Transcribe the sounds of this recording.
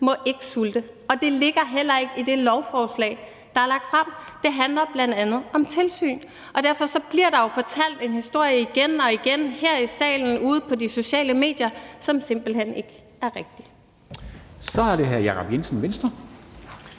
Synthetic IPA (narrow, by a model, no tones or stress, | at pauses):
mɒ̽ʔe̝ɡ̥əsuld̥ə | ɒ̽d̥e̝le̝ɡ̥ɐɦel̰ɐe̝ɡ̥id̥e̝lɒʊfɒːslɛ̰ːɪ | d̥ɑ̈æɐlɑ̈ɡ̥̚d̥fʁɑm̰d̥e̝ɦænlɐb̥læn̰d̥ænð̞̩ˠɒ̽mt͡sʰe̝lsy̰ːn | ʔɒ̽d̥æɐ̰fɒ̽sɒ̽b̥liɐɾ̥ɑ̈jo̝fɒ̽t͡sʰæl̰d̥e̝nhisd̥o̝ɐ̰jəiɡ̥enɒ̽iɡ̥enhæɐ̰isɛ̰ːln̩uːð̞̩ˠpʰɒ̽diso̝ɕɛ̰ːləme̝̰ːd̥jɐsɒ̽mse̝m̰b̥l̩ɦen̰e̝ɡ̥ | æɐʁɛɡ̥̚d̥i̥ | sɒ̽æɐɾe̝ɦæɐjæːʁɑb̥jensn̩ʋensd̥ɐ